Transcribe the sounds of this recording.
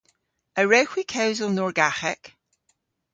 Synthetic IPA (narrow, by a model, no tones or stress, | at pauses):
əɹɛxwikʰawzəlˠnɔɹɡaxɛk